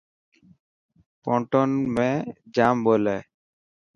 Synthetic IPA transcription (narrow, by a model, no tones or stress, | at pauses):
pɔɳʈɔnmed͡ʑambole